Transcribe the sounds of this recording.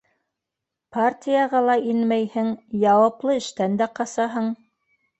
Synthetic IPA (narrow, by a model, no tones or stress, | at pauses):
partʲijɑʁɑlˠɑʔinmæjhɘŋjɑwɑplˠɤɘ̆ʃt̪ænd̪æqɑsɑɦɤɴ